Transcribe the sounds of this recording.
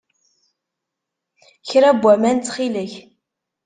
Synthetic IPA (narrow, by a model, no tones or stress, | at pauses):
çɾæbʷːæmænt͡s̪ːχiləç